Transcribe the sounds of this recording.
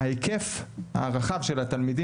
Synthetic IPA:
aikefha̰ʁaχavʃe̞lat̪almid̪i

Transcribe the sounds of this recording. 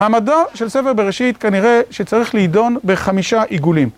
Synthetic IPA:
hamadaʃe̞lsefeʁbeʁeʃit̪kaniʁe̞ʃet͡saʁiχlihdo̞nbeχamiʃaʔiɡulim

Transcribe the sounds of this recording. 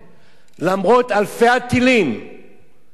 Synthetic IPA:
lamʁot̪alfeat̪ːilim

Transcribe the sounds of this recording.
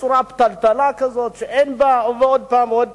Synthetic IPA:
t͡suɾapt̪alt̪alakazot̪ʃeʔenbauveod̪̚paːmod̪̚

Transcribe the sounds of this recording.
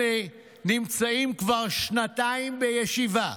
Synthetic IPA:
e | nimt͡saimkvaʁʃnat̪aimbejeʃiva

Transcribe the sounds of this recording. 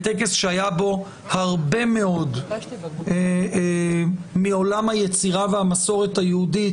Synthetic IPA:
t̪ek̬e̞sʃeajabo̞ | haʁbe̞me̞o̞d | mio̞lamhajet͡siʁavehamaso̞ʁe̞tajeudi

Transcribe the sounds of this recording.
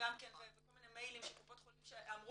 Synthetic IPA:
amkenvevekolminemejlimʃekopot̪χolimʃeamʁu

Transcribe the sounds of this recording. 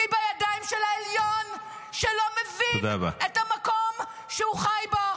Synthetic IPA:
ibajadaimʃelaeljon | ʃelo̞mevind̪aba̰etamako̞m | ʃeuχajbo

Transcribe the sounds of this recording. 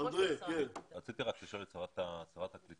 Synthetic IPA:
ad̪ʁekenʁat͡sit̪iʁakliʃolet͡saʁat̪at͡saʁat̪haklit̪

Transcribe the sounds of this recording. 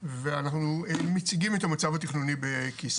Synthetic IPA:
veanaχnumet͡siɡimet̪amat͡savat̪iχnunibekis

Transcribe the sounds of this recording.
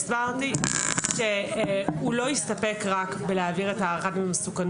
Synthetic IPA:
sbaʁtiʃe | ulo̞ist̪ape̞kʁakbeleaːviʁetaʁadmemesukan

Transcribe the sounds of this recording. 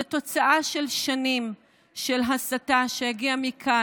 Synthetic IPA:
to̞t͡saʔaʃe̞lʃanim | ʃe̞lɦasataʃe̞jaɡiamikʰa

